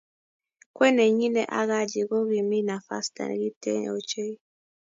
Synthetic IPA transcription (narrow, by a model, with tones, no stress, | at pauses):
kwɛ˦nɛ˨ɲi˦nɛ˦˨ʔa̰˦ɣa˦d͡ʒi˨ɣɔ˦ɣi˨mi˦na˨fa̰˦sta̰˨nɛ̰˨ɣi˦tɛ˦ɲ̰˨ɔ˨t͡ʃe˦i˦